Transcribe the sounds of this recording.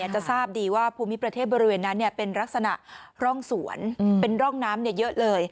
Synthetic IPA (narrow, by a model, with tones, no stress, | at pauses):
ɐt͡ɕa˨˩ʔsaː˥˩p̚diː˧waː˥˩pʰuː˧mi˦˥pɾa˧t̪ʰeː˥˩t̪̚bɔː˧ɾi˦˥weː˧nːa˦˥nːi˥˩əpe˧nɾa˦˥k̚sa˧na̰˨˩ʔɾɔ˥˩ŋsu˨˩˦ənpe˧nɾɔ˥˩ŋnaː˦˥mni˥˩ɐjɤ˦˥ʔlɤː˧j